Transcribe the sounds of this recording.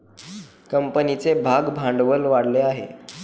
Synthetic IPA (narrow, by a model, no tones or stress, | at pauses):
kəmpənit͡sebʱaɡbʱãɳɖʋəlʋaɽleaɦḛ